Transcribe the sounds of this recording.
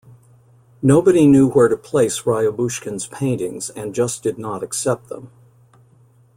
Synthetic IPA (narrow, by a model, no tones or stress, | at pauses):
noʊbɨɾinjʉwə˞ɾɨpʰl̥eɪsɹaɪɨbuʃkɨ̃nz̥pʰẽɪ̃ntɪ̃ŋzɨ̃nd͡ʒʌsd̥ɨdⁿnəɾɨksɛp̚t̪̚ðə̰̃m